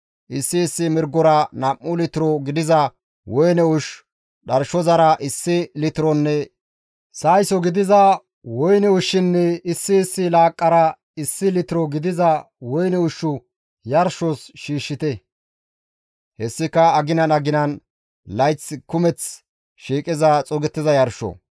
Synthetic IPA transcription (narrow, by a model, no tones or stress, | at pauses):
ʔɪsːɪːsːɪmɪɾɡɔɾɐnɐmːʊlɪt̪ɪɾɔɡɪd̪ɪzɐ | wɔjnɛʊʃ | ɗɐɾʃɔzɐɾɐʔɪsːɪlɪt̪ɪɾɔnːɛ | sɐjsɔɡɪd̪ɪzɐ | wɔjnɛʊʃːɪnːɛɪsːɪːsːɪlaːkʼːɐɾɐ | ɪsːɪlɪt̪ɪɾɔɡɪd̪ɪzɐ | wɔjnɛʊʃːʊ | jɐɾʃɔsʃiːʃːɪt̪ɛ | hɛsːɪkːɐɐɡɪnɐnɐɡɪnɐn | lɐjt͡sːkʊmɛt͡s | ʃiːkʼɪzɐt͡sʼɔɡɛt̪ːɪzɐjɐɾʃɔ̰